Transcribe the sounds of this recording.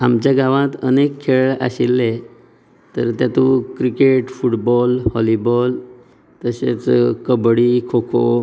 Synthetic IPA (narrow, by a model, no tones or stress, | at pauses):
amt͡ɕjaɡaʋãt̪ənekʰːeɭɭa̰ɕilːe | t̪əɾt̪jat̪ukɾikeʈfuʈbɔlhɔlibɔl | t̪əɕḛt͡skəbɽikʰokʰo